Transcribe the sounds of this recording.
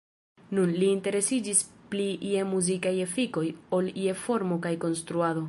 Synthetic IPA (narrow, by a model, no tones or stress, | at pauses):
nunliːnte̞ɾe̞sid͡ʒispliʔiemuzikaje̞fiko̞jo̞liefo̞ɾmo̞kajko̞nst̪ɾuado̞